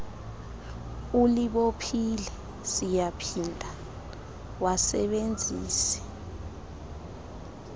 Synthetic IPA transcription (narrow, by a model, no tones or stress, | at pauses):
uliɓopʰilɛ | sijapʰindʱa | wasɛɓend͡zʱḭːsɛ̥